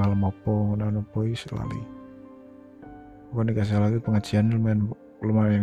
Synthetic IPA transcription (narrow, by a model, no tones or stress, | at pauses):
aləmɔpɔŋunanupoisla̰lḭ | ɔkɔnikas̬ahlakipəŋḁd͡ʒianlman | ləmaa